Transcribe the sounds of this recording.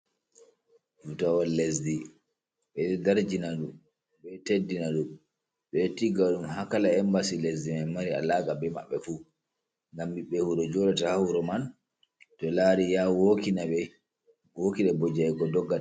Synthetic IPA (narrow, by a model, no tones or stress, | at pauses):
futawalːesdi | ɓɛdaɾd͡ʒinaɗum | ɓɛtedːinaɗum | ɓɛtːiɡaɗumhakalaɛmbasilesdimɛmaɾia̰laːkabɛma̰ɓːɛfu | ŋɡambiɓːɛhuɾɔd͡ʒɔɾatahahuɾɔman | tɔlaɾijawokinaɓɛ | wokiɗɛbɔd͡ʒaɛɡɔdɔɡːata